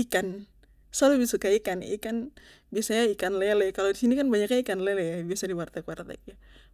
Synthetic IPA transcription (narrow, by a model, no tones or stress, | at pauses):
ikan | salubisukaikanḭkan | biasaɲaikanlɛlɛkalodisinikanbaɲakɲaikanlɛlɛjabiasadiwart̪akuwart̪ɛ̰k̚ja